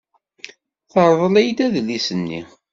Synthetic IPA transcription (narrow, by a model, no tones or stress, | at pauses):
θəɾˤðˤəlæjd̪æðlisənːḭ